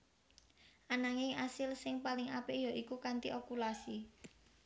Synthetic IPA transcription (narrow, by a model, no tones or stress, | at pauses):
ʔanaŋɪŋʔasɪlsɪŋpalɪŋapɪʔjɔʔikukant̪iʔokulasi